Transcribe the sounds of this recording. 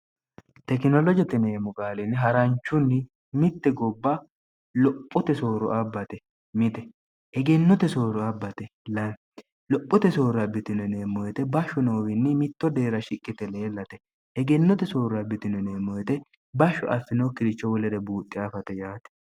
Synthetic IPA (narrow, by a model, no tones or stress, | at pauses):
t̪ɛkɪnɔlɔd͡ʒɛt̪ɪneːmʊkʼaːlɪnɪɦɐɾɐnt͡ʃːʊnːɪ | mɪt̪ːɛɡɔbːɐ | lɔpʼːʊt̪ɛso̞ːɾʊ̰ʔɐbːɐt̪ɛ | mɪt̪ɛ | ɛɡɛnːɔt̪ɛsoːɾʊɐbːɐt̪ɛlɐ | lɔpʼːʊt̪ɛso̞ːɾɐbːɪt̪ɪnɛneːmːɔjɛt̪ɛbɐʃʊnoːwɪnːɪmɪt̪ːɔd̪e̞ːɾɐʃɪkʼːɪt̪ɛle̞ːlːɐt̪ɛ | ɛɡɛnːɔt̪ɛsoːɾɐbɪt̪ɪnɛneːmːɔjɛt̪ɛ | bɐʃːʊʔɐfːɪnoːkɪɾɪt͡ʃːɔwɔlɛɾɛbuːt̪ʼːɪɐfɐt̪ɛjaːt̪ɛ̥